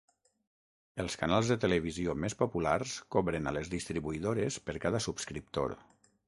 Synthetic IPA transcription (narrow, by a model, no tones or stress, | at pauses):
əlˠskanalˠzðət̪ələβiziomespopularskɔβɾənə̰ləzðist̪ɾiβuiðoɾəspəɾkaðəsupskɾip̚t̪o̰ɾ